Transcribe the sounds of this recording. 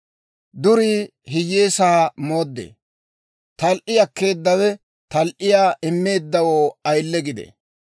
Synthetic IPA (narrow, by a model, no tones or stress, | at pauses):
d̪ʊɾi | ɦɪjːeːsaːmoːd̪ːḛː | t̪ɐlʔɪɐkːe̞ːd̪ːɐwɛ | t̪ɐlʔɪjaːʔɪmːe̞ːd̪ːɐwoːɐjlːɛɡɪd̪ɛ̰